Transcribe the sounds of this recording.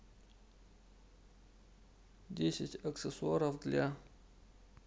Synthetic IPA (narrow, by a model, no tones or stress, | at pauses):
dʲesʲɪtʲɐkt̪sɨsʊaɾəfd̪lʲa